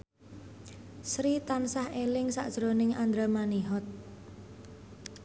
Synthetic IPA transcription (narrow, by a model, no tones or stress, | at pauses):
sɾit̪ansahelɪŋsa̰ʔd̥ʒ̥ɾonɪŋand̪ɾamaniɦɔt̪̚